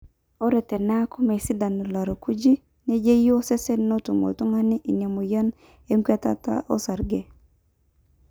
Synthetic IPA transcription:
o˦ɾɛ˨tɛ˨na˦kɔ˦mɛ˨sɪ˦da˨no˨la˨ɾo˨ku˦d͡ʒi˦ | nɛ˦d͡ʒe˦jo˦sɛ˦sɛ˦no˦tu˨mo̰˨tu˦ŋa˦nɪ˦ʔi˨nja˨mo˨ja˦n | e˦ŋkɛ˦ta̰˦ta̰˦ʔo̰˦sa˨ɾɡe˨

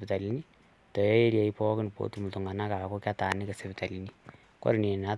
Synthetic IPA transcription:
pita˨lini˦ | tɔ˨jɔ˦e˦ɾja˨ipɔ˦kn˨po̰˦tumu˨tu˨ŋa˨na˦ka˨ko˦ka˦taː˨ni˦ke˨se˨pɪta˨lini | ko̰˦ɾi˨ni˨na˦

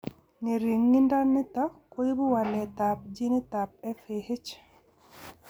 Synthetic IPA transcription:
ne˨ɾi˨ŋːi˦nda˦nːi˦ta˦ko˦ji˦bu˦wa˨lɛ˨t̪ap̚d͡ʒi˦ni˦ta˨p̚ɛ˦fehe˦t͡ʃ

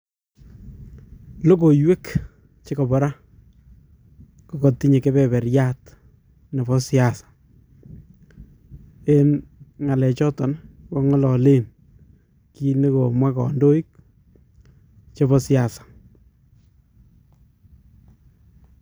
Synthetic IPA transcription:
lo˦ko˨jwe˦k | t͡ʃe˦kɔ˨bɔ˨ɾa˦ | kɔ˨kɔ˨ti˦ɲe˨ke˦bɛ˨bɛ˨ɾja˦t | ne˨bɔ˦sja˨sḁ˨ | e˦nŋa˨lɛ˨t͡ʃɔ˦tɔ˨nwɔ˦ŋɔ˦lɔ˨le˦n | ki˦ne˦ko˨mwa˦kɔ̰˨ndo˦i˦k̚ | t͡ʃe˦βɔ˦sja˨sḁ˨

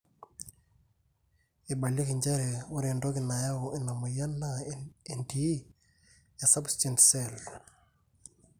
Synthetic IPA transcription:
e˨ɓa˨ljɔ˦kɪ˨ɲd͡ʒa˦ɾe˨ʊ˦ɾɛ˨ndɔ˦kɪ˨na˨ja˦o˨ʔe˨na˨mo˨ja˦na˦e˨ndi˨˦ | ja˨sa˦bst͡ʃentsɛ˦l

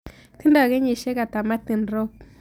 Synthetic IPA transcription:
t̪i˦nda˦˨ɡe˦ɲi˨ʃe˦ka˨t̪a˨ma˦t̪i˨nɾo˦k̚

